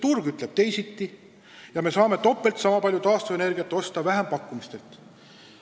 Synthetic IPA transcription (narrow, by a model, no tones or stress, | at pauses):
t̪urɡ̥yt̪ˑle̞b̥̚t̪e̞jsit̪ːi | jɑme̞sɑːme̞t̪o̞pːˑe̞lt̪sɑmɑpɑlʲjut̪ɑːst̪ue̞ne̞rɡ̥iɑt̪ːˑo̞st̪ɑvæɦempɑkːˑumist̪e̞lt̪ˑ